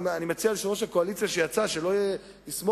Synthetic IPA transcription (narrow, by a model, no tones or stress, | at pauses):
animet͡sialiʃonoʃelkoalit͡sijaʃe̞jat͡saʃe̞lo | lismo